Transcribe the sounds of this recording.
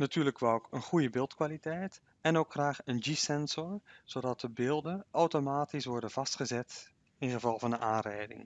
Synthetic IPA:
natyːɹləkʋakənχujəbɪːlˠtkʋaːlitɛjt | ɛnowkχraːχənd͡ʒisɛnzɔɹz̥odɑt̚dəbɪːlˠdənʔɔwtomaːtisʋɔɹdənv̥ɑstχəzɛt | ɪnχəvɑlˠvɑndənʔaːnrɛ̰jdɪ̰ŋ

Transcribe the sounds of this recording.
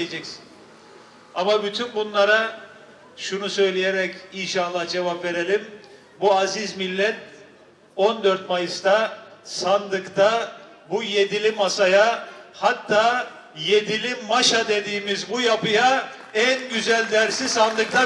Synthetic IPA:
ed͡ʒɛksi̥n | amabyt̪ʰynbunlˠaɾa | ʃunusø̞jlʲijeɾɛcinʃanlˠːahd͡ʒe̞vapve̞ɾe̞lʲim | buazizmilʲːɛt̪ | o̞nd̪øɾt̪̚majɯst̪asand̪ɯkt̪a | bujed̪ilʲimasajahat̪ʰːaː | jed̪ilʲimaʃad̪e̞d̪iːmizbujapʰɯja | ænɟyzælʲd̪æɾsizsand̪ɯk̚t̪a

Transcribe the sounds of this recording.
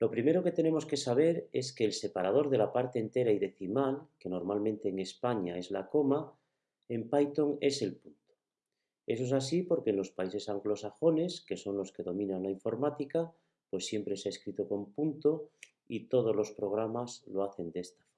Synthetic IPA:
lo̞pɾime̞ɾo̞ke̞t̪e̞ne̞mo̞ske̞saβ̞e̞ɾe̞ske̞ːlse̞paɾað̞o̞ɾðe̞lapaɾt̪eːnt̪e̞ɾaiðe̞θimalke̞no̞ɾmalmẽnt̪eːŋe̞spaɲae̞zlako̞ma | e̞mpajt̪o̞ŋe̞se̞lpunt̪o̥ | e̞s̬oes̬asipo̞ɾkenlo̞spais̬e̞saŋɡlo̞saxo̞ne̞ske̞so̞nlo̞ske̞ðo̞mĩnãnlaiɱfo̞ɾmat̪ika | pwe̞sːje̞mpɾe̞saeskɾit̪oko̞mpunt̪o | it̪o̞ð̞o̞zlo̞spɾo̞ɣ̞ɾamaslo̞aθe̞nd̪eest̪ḁfo

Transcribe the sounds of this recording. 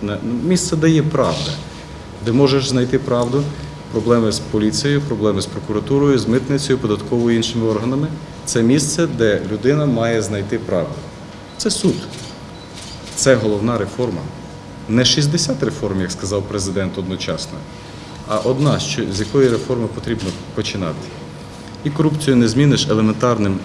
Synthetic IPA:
nɛmʲist̪sɛd̪ɛjɛpɾɑʋd̪ɐ | d̪ɛmɔʒeʃznɐjt̪ɪpɾɑʋd̪ʊ | pɾɔblˠɛmɪspɔlʲit͡sʲijjʊpɾɔblˠɛmɪspɾɔkʊɾɐt̪uɾɔjʊzmɪt̪nɪt͡sʲɔjʊpɔd̪ɐt̪kɔʋɔjiinʃɪmɪɔrɦɐnɐmɪ | t̪sɛmʲist̪sɛd̪ɛlʲʊd̪ɪnɐmɑjɛznɐjt̪ɪpɾɑwd̪ʊ | t̪sɛsud̪ | t̪sɛɦɔlˠɔwnɑɾefɔrmɐ̰ | nɛʃizʲd̪esʲat̪ɾe̞fɔrmjɐkskɐzɑwpɾezɪd̪ɛnt̪ɔd̪nɔt͡ʃɑsnɔ | ɐʔɔd̪nɑʃt͡ʃɔzʲjɐkɔjiɾefɔrmɪpɔt̪ɾʲibnɔ | pɔt͡ʃɪnɑ̰t̪ɪ̥ | ikɔɾupt͡sʲijʊnɛzʲmʲinɪʃelˠement̪ɑrnɪm

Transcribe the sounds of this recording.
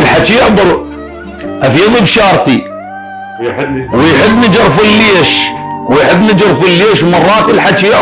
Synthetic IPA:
lħat͡ʃiɪʔd̪ˤʊɾ | ʔafiːðibʃɑːɾˤt̪i | wjħɪbːnɪd͡ʒɪɾˤfʊlːiːʃwjħɪbːnɪd͡ʒɪɾfʊlːiːʃmɑrˤːɑːt̪ɪlħat͡ʃij

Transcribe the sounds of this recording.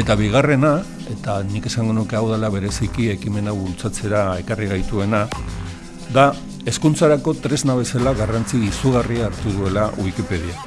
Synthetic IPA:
e̞t̪aβiɣare̞na | e̞t̪anike̞saŋɡo̞nuke̞awðalaβ̞e̞ɾe̞sikie̞kime̞naβult͡sat͡se̞ɾae̞kariɣ̞ajt̪ue̞na | ða | e̞skunt͡saɾako̞t̪ɾe̞znaβe̞salaɣarant͡siːsuɣ̞ariaːɾt̪uð̞ue̞lauikipe̞ð̞ia

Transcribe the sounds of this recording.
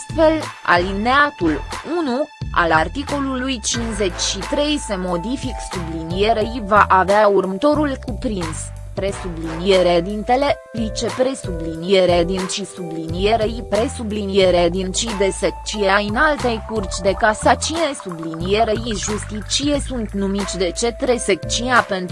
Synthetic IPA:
st̪fe̞la̰lineat̪ulunua̰lart̪iko̞lulujt͡ʃinze̞t͡ʃʲʃit̪ɾe̞jse̞mo̞d̪ifiksublinije̞ɾejvaʔaveaurmət̪o̞ɾulkupɾins | pɾe̞sublinijeɾed̪int̪e̞le̞ | lit͡ʃe̞pɾe̞sublinije̞ɾed̪int͡ʃisublinije̞ɾejipɾe̞sublinije̞ɾed̪int͡ʃid̪e̞sek̚t͡ʃijeajɨnalt̪e̞jkurt͡ʃʲd̪e̞kasat͡ʃine̞sublinije̞ɾejiʒust̪it͡ʃije̞sunt̪numit̪t͡ʃʲd̪e̞t͡ʃe̞t̪ɾe̞sek̚t͡ʃinape̞nt̪

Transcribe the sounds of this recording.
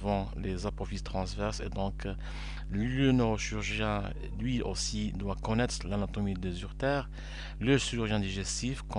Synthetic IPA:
vɑ̃lezapɔfist̪χɑ̃svɛʁsḛd̪ɔ̃k | lənøʁoʃyʁʒjɛ̃ | lɥio̰sid̪wakɔnɛt̪χlanat̪ɔmid̪ezyʁt̪ɛːʁ | ləʃiʁyʁʒɛ̃d̪iʒɛst̪ifkɔ̃

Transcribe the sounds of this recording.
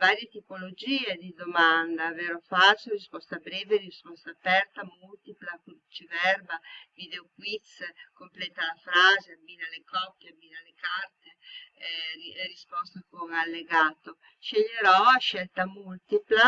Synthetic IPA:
vaːɾjet̪ipolod͡ʒiːed̪id̪omand̪aveɾofat͡ʃorispɔst̪abɾɛːveriispɔst̪apɛɾt̪amult̪iplakut͡ʃivɛrbavid̪eokwit̪skomplɛːt̪alafɾaːzeabinalekʰɔpːjeabinalekart̪e | rispɔst̪okoŋalːeɡaːt̪o | ʃeʎːeɾɔaʃɛlt̪amult̪ipla

